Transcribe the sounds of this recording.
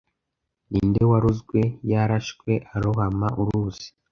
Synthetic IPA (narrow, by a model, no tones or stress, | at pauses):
niːndewaɾuzɡwe̞jaɾaʃkwe̞ʔaɾuhamaʔuɾuz̥i̥